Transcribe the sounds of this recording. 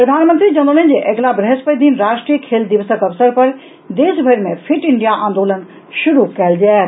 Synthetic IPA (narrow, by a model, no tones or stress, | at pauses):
ppɾɐd̪ʱaːnmənt̪ɾid͡ʑɐ̃nd̪olənd͡ʑeːʔɐklabɾɛɦspəjd̪iːnɾaːʃʈɾiːəkʰeːld̪ɪʋəsəkɐʋsəɾpɐɾ | d̪eːsbʱɐɾmẽfʰɪʈɪ̃ɳɖijaʔãːnd̪oːlən | ʃʊɾukɐəld͡ʑaː